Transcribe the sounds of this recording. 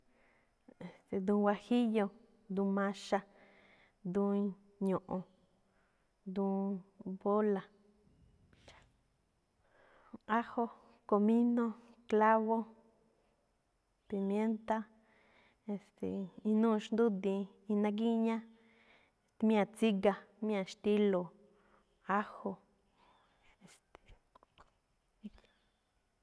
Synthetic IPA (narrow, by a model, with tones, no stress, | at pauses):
e˨st̪e˨d̪ũ˧wa˧hi˦jo˧ | d̪ũ˧mã˧ʃa˧ | d̪ũ˧i˧ | ɲõ˨ʔõ˨ | d̪ũ˧˦bo˦la˨ | a˦ho˦ | ko˧mĩ˦nõ˦kla˦βo˦ | pi˨mje˦nt̪a˦ | e˨st̪ḛ˨i˧nũ˦˧ʃnd̪u˦d̪ĩ˧ | i˧nã˧ɡ̬i˦ɲã˦ | e˨t̪mj̃ã˧˨t͡si˦ɡa˧m̃˦ã˧ʃt̪i˦lo˨ | a˦ho˧ | e˨st̪e̥˨˦